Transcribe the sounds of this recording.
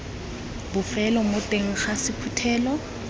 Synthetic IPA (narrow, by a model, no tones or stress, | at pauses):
bʊfɛlɔmotʼeŋ̩χasɪpʰutʰɛːlɔ